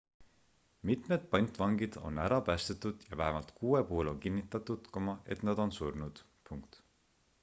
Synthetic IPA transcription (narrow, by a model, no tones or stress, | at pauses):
mit̪ˑme̞d̪̥̚pɑnʲt̪ˑvɑŋɡid̪̥o̞̰næɾɑpæːst̪et̪ːˑud̪̥jɑvæɦemɑlt̪kʰuːe̞puhulo̞ŋkinːit̪ːˑɑt̪ːud̪̥komɑe̞t̪nɑd̪̥o̞nsurnud̪̥ | puŋkt̪